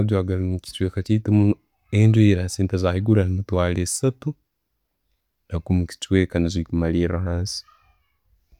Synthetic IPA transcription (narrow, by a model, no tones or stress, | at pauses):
ajwaɡalimuki̥t͡ʃwekat͡ʃiːtemu | endeiɾasiːntazahiɡuɾanimutwaːle̥satu | ndakumuki̥t͡ʃwekanizwikumaliːɾahaːnsi̥